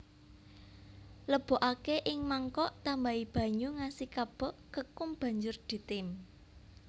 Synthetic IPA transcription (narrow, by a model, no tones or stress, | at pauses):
ləb̥o̤ʔakeʔɪŋmaŋkɔʔt̪ambaib̥a̤ɲuŋasikab̥ɔ̤ʔkəkʊmb̥ä̤ɲd͡ʒʊrd̪̥i̤t̪ɪm